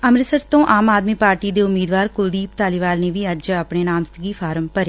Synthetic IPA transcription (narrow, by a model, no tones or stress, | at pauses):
əmɾɪsəɾt̪õːʔaːmaːd̪miːpaːɾʈiːd̪eːʊmiːd̪ʋaːɾkʊld̪iːp̚t̪aːlɪʋaːlneːʋiːəd͡ʒəpɽɳeːnaːmst̪ɡiːfʰaːɾəmpəɾeː